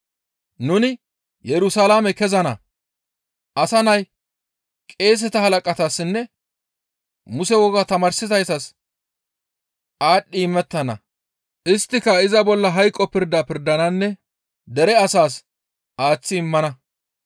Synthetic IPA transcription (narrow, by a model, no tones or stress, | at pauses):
nʊnɪ | jɛɾʊsalaːmɛkɛzɐnɐ̰ | ʔɐsɐnɐj | kʼe̞ːs̬ɛt̪ɐhɐlɐkʼɐt̪asːɪnːɛ | mʊsɛwɔɡat̪ɐmaːɾsɪt̪ɐjsɐs | ʔaːɗːiɪmːɛt̪ːɐnɐ̰ | ʔɪst̪ːɪkɐɪzɐbɔlːɐɦɐjkʼːɔpɪɾd̪apɪɾd̪ɐnɐnːɛ | d̪ɛɾɛɐsaːs | ʔaːt͡sːɪɪmːɐnɐ